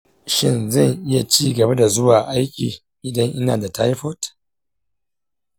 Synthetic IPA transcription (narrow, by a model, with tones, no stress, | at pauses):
ʃɪ˦˨nzɐ˦˨ŋʔɪ˦ja˨t͡ʃiː˦ɡɐ˨ba˦da˨zʊ˦waː˨ʔa˦jkʲiː˨ | ʔɪ˨dɐ˦ŋʔɪ˦naː˨da˨ta˦jɸɔ˦t